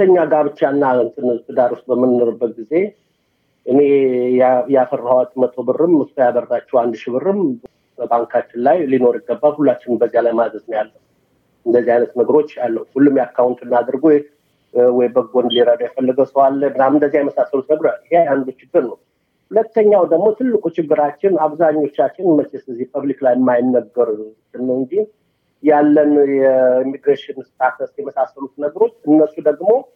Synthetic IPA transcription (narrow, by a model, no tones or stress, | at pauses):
əɲːaɡaβɨt͡ʃːanːant̪ʰɨnt̪ʰɨd̪aɾwust̪̚bəmːɨnːoɾɨbːət̪̚ɡize̞ | ʔɨne | jafərːhawt̪ʼmət̪ʰʼobɨrɨmɨst̪ʰəjabərːat͡ʃːɛwand̪ʃɪβɨɾɨm | bəbaŋkʰat͡ʃːɪnlajlino̞ɾɪɡːəbːalhulːat͡ʃːɪnɨmbəzːijalajmad̪əznəjalːəw | ɨnd̪əzːihajnət̪nəɡəɾo̞t͡ʃːjalːəhwuhulːumjakʰːawnt̪ʰʼɨnːad̪ɨɾɡo | wɔjbəɡond̪liɾəd̪ajɛfəlːəɡəwsəwalːəbɨnamɨnd̪əzijajɛməsasːəlut̪nəɡəɾoalheajand̪ot͡ʃɪɡːɨɾnəw | hulət̪ːəɲːawd̪əɡmo̞t̪ʰɨlːɨkʼut͡ʃɪɡːɨɾat͡ʃːɪnaβzaɲːo̞t͡ʃːat͡ʃːɪnmət͡ʃesɨləzːihpʰəβliklajɪmːajɪnːəɡːəɾsɨnːɨɨnd͡ʒin | jalːənjɛimːiɡɾeʃɪnɨst̪ʰʼakəst̪jɛməsasːəlut̪nəɡəɾo̞t͡ʃːɨnːəsːud̪əɡmo̞